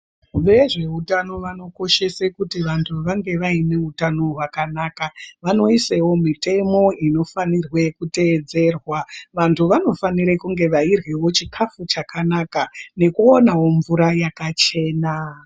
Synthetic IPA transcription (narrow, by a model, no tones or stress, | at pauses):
ʋe̞ʐe̞utano̞ʋano̞ko̞ʃe̞sekutiʋantʰuʋaŋɡe̞ʋaine̞utano̞ɦwakanakaʋano̞isewo̞mite̞mo̞ino̞fanirwe̞kute̞d͡ze̞rwaʋantʰuʋano̞faniɾekuŋɡe̞ʋairɣewo̞t͡ʃikʰafut͡ʃakʰanakane̞kuonawo̞ɱvuɾajakat͡ʃe̞ːna